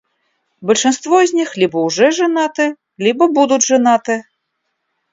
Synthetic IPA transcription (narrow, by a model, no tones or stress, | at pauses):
bɐlʲʂɨnst̪vɔzʲnʲixlʲibɐwʐɛʐɨnat̪ɨ | lʲibɐbud̪ud͡zʲʐɨnat̪ɨ